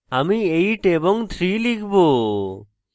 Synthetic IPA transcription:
amiejʈebɔŋt̪ʰɾilikʰbo

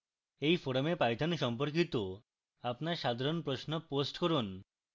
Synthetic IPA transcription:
ejfoɾomepajt̪ʰonʃɔmpoɾk̬it̪o | apnaɾʃad̪ʱaɾonpɾosnoposʈkɔɾun

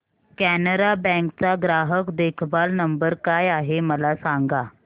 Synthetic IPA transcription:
kænəɾabɛ̃ŋkt͡saɡɾaɦəkd̪ekʰbalnəmbəɾkajaɦeməlasaŋɡa

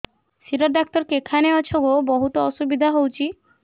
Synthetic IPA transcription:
siɾɔɖak̚t̪ɔɾkekʰaneat͡ʃʰoɡobɔɦut̪ɔɔʃubid̪ʱaɦowt͡ʃʰi

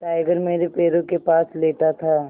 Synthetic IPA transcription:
ʈaːɪɡəɾmeːɾepeːɾõkepaːsleːʈat̪ʰaː

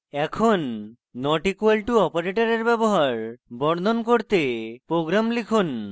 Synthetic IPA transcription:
ɛkʰonː | ɔʈikuelʈuɔpoɾeʈaɾeɾbɛboɦaɾbɔɽnʱonkoɾt̪epɾoɡɾamlikʰun

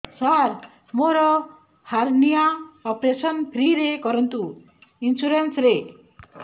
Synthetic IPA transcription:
saɾ | moɾɔ | haɾnijaɔpɾesɔnpʰɾiɾekɔɾɔnt̪u | insuɾensɾe

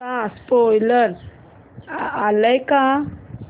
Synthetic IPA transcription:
aspɔjləɾ | aləjka

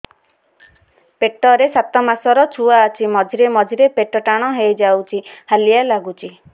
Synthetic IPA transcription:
peʈɔɾesat̪ɔmasɔɾɔt͡ʃʰuaːt͡ʃʰimɔd͡ʒʱiɾemɔd͡ʒʱiɾepeʈɔʈaɽ̃ɔɦejd͡ʒawt͡ʃʰihalijalaɡut͡ʃʰi

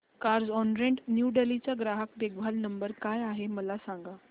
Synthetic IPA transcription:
kaɾd͡zɔnɾẽɳʈnjuɖelit͡ɕaɡɾaɦək̚b̪eɡ̚bʱalnəmbəɾkajaɦeməlasãŋɡa

